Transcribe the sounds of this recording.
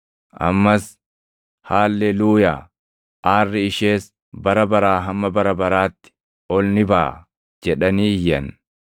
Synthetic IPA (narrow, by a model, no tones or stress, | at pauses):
ʔɐ̰mːɐs | haːlːɛluːjaː | ʔaːrːɪɪʃeːs | bɐɾɐbɐɾaːɦɐmːɐbɐɾɐbɐɾaːt̪ːɪ̥ | ʔɔlnɪbaː | d͡ʒɛᶑɐniːjɐn